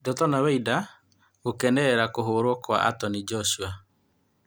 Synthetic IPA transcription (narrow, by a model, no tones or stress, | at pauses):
dɔtɔnawɛida | okɛnɛɛɾakoɦoɾwɔkwa̰a̰tɔnid͡ʒɔsua